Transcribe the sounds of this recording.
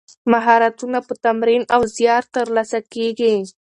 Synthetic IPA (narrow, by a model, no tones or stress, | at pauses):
maɦɑɾat̪unapət̪amɾinawzjɑɾt̪əɾlɑsakeɡi